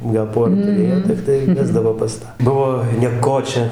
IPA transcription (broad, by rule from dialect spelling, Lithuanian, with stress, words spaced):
ɡɐlˠ ˈpoːrɐ tʊˈrʲeːjoː tʲɪkˈtɐɪ ˈʋʲæːzdɐʋoː pɐs ˈtɑː ˈbʊʋoː nʲiɛˈkoːt͡ʃʲɛ